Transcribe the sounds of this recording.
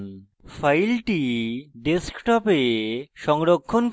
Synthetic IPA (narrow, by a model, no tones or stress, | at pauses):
n | fajlʈiɖeskʈɔpeʃɔŋɾokʰːonk